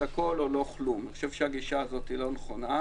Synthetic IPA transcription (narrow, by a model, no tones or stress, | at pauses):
ako̞lolo̞χlumniχoʃevʃeaɡiʃaːzo̞t̪ilo̞neχona